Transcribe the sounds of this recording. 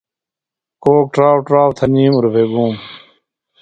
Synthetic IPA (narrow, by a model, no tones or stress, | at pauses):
koːk̚ʈɾaːwʈɾaːwt̪ʰɐniːmuɾbʱeːɡũːm